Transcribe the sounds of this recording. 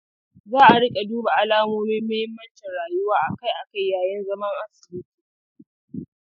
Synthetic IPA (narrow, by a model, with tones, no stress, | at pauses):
zaː˦ʔa˨ɽɪ˦kʲʼe˨duː˦ba˨ʔa˦laː˦moː˦mɪ˦mːɐ˦hɪ˦mːɐ˦nt͡ʃɪ˨nɽaː˨jʊ˦waː˦ʔa˨ka˦˨jʔa˨ka˦˨jːaː˨jɐ˦nzɐ˦mɐ˦ŋʔa˦sɪ̥˨lɪ˦ti̥ː˨